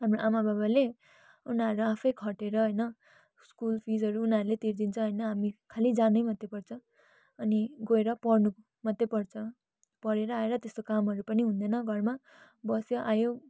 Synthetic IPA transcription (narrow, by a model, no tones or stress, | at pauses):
ɦamroʔamababale | unaʌɾuapʰʌjkʰʌʈeɾʌɦʌjnʌ | skulpʰid͡zʌɾuːnaʌɾulet̪iɾd̪int͡sʰʌ̃ɦʌjnʌɦamikʰalid͡zanʌjmʌt̪ːepʌrt͡sʰʌ̃ | ʌniɡoeɾʌpʌrnu | mʌt̪ːepʌrt͡sʰʌ̃ | pʌɾeɾʌaeɾʌt̪est̪okamɦʌɾupʌniɦũnd̪enʌɡʱʌrma | bʌsjoʔajo